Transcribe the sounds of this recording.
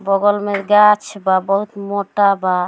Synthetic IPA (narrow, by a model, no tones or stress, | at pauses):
bɔɡɔlmeɾɡat͡ʃʰbabɔɦut̪moʈaba